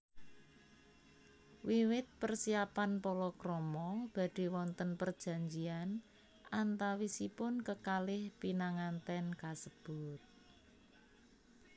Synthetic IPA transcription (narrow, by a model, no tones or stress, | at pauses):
wiwɪt̪̚pərsiapanpoɾɔkɾɔmɔb̥a̤d̥e̤wɔnt̪ənpər̥d͡ʒ̥a̤ɲd͡ʒian | ʔant̪awisipʊnkəkalɪhpinaŋant̪ɛnkasəb̥ʊt̪̚